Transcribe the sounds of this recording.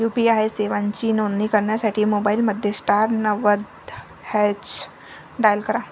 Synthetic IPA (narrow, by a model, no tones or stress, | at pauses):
juːpiaːeseːʋãnt͡ʃinoːnːikəɾnasaʈʰimoːbaːɪlməd̪ʱjesʈaːɾnəʋəd̪ | hɛːt͡ʃ | ɖaːjəlkəɾãː